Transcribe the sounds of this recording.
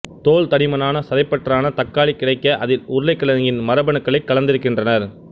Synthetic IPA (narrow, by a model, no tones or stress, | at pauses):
t̪oːɭt̪ɐɽɪmɐnaːnɐsɐðɐɪpːɐʈraːnɐt̪ɐkːaːɭikːɪɽɐɪkːɐʔɐðɪlʊɾʊlɐɪkːɐɭɐŋɡɪnmɐɾɐbɐɳɯkːɐɭɐɪkːɐɭɐnd̪ɪɾɯkːɪndrɐnɐɾ